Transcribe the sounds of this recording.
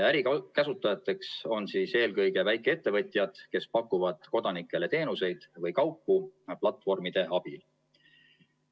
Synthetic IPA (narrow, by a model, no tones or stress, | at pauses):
æɾikæsut̪ːˑɑjɑt̪ːˑe̞kso̞nsiːse̞ːlkɤjɡe̞væjkˑee̞t̪ːe̞vɤ̞t̪ʲˑjɑd̪̥ke̞spɑkːˑuvɑd̪̥ko̞d̪̥ɑnikːˑe̞le̞t̪e̞ːnuse̞jd̪̥vɤjkɑwpːuplɑt̪ːˑfo̞rmid̪̥e̞ʔɑb̥il